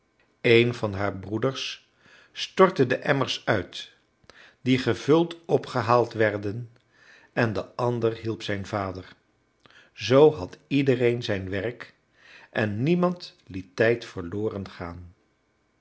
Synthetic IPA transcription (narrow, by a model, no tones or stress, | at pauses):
ejnvɑnɦaːɹbrudəɹs | tɔɹtədəʔɛməɹsœɥt | diχəvɵlˠtɔpχəɦaːlˠtʋɛɹdən | ɛndəʔɑndərɦilˠpsɛjnvaːdəɹ | zowɦɑtidərejnzɛjnʋɛrk | ʔɛnːimɑntlitːɛjtfəɹloːrənχaːn